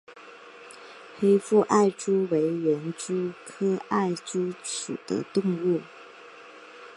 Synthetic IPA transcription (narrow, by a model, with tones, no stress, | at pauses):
xe˥ɪfu˥˧ʔa˥˩ɪʈ͡ʂu˥we˧˥ɪɥɛ˧˥nʈ͡ʂu˥kʰɤ˥a˥˩ɪʈ͡ʂu˥ʈ͡ʂʰu˨˩d̪̥ə̰˧˦t̪ʊ˥˧ŋu˥˩